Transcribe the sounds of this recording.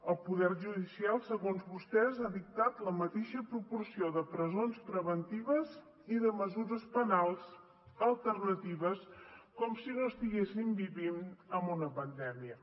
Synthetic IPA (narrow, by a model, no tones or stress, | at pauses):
əlˠpuðɛrʒuðisialˠsəɣonzβust̪ɛzaðik̚t̪at̪ləmət̪eʃəpɾupursioðəpɾəzonspɾəβənt̪iβ̞əz | iðəməzuɾəspənalˠz | əlˠt̪ərnət̪iβ̞əskɔmsinoəst̪iɣesimbiβinəmbunəpənd̪ɛmiə